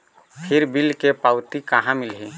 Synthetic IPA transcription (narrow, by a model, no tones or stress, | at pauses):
pʰɪɾbɪlkepaʊt̪ikaɦãmɪlɦi